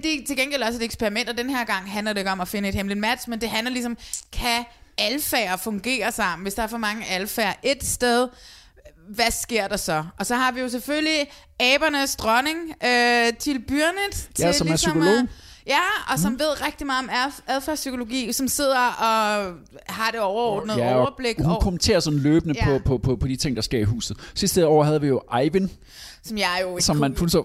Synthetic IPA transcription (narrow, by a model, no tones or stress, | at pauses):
d̥e̝t͡sʰe̝lɡenɡ̥elɒ̽səe̝d̥eɡ̥spʰeʁimen̰d̥ɒd̥enheɐ̰ɡ̥ɑ̈ŋ̰ɦænlɐdɾe̝e̝ɡ̥ɒ̽mɒfe̝nəe̝d̥hemlid̥mæd̥smend̥e̝ɦænlɐlis̬ɒ̽mkʰæælfæ̰ːɐfɔ̽ŋɡ̥e̝̰ːɐsɑ̈m̰n̩ʋe̝sd̥ɑ̈æɐfɒ̽mɑ̈ŋəʔælfæːɐʔe̝d̥sd̥eð̞ˠ | ʋæsɡ̥e̝ɐ̰d̥ɑ̈sɒ̽ɒ̽sɒ̽hɑ̈ʋijo̝s̬efølli | ɛːb̥ɐnəsd̥ʁɒne̝ŋøt͡sʰelb̥yɐned̥jæsɒ̽mæɐsykʰo̝lo̝̰ːjæɒ̽sɒ̽mʋe̝ð̞̰ˠʁɛɡ̥̚d̥imɑ̈ːð̩ˠɒ̽mææðˠfæːsykʰolo̝ɡḭːsɒ̽mse̝ð̞̰ˠɐʔɒ̽ | hɑ̈ɾ̥e̝ɒʊɐɒ̰ːd̥n̩əðˠɐb̥leɡ̥hunkʰomənt͡sʰe̝̰ːɐsɒ̽n̩løːb̥ənəpʰɒ̽pʰɒ̽pʰɒ̽pʰɒ̽d̥it͡sʰe̝ŋ̰d̥ɑ̈sɡ̥e̝ɐ̰iɦṵːsð̩ˠsisd̥əɒ̰ʊɐɦæð̞̩ˠʋijo̝ʔɑɪʋin | sɒ̽mjɑ̈jo̝sɒ̽mːænhunsɒ